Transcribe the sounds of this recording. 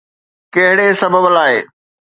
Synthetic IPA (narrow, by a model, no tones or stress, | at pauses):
kɐɦɪɽesɐbʱəblaːɦeː